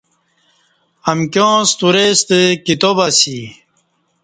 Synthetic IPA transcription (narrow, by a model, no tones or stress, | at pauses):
ɐmkjõːst̪uɾest̪ekit̪obɐsi